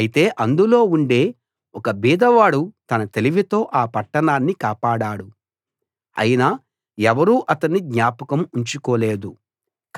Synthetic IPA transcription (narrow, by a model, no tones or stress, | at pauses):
ɐjit̪e̞ːʔɐnd̪ulo̞ːuɳɖe̞ː | ɔkɐbiːd̪ɐʋaːɽut̪ɐnɐt̪eliʋit̪o̞ːʔaːpɐʈːɐɳaːnːikaːpaːɽaːɽu | ɐ̰jina | ɛʋɐɾuːʔɐt̪ɐnːid̪ɲaːpɐkɐmuɲt͡ʃukɔːle̞ːd̪u | k